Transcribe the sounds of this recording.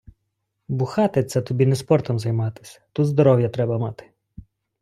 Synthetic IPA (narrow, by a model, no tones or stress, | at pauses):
bʊxɑt̪ɪt̪sɛt̪ɔbʲinɛspɔrt̪ɔmzɐjmɑt̪ɪ̥sʲɐ̥t̪ut̪zd̪ɔɾɔwjɐt̪ɾɛbɐmɑt̪ɪ̥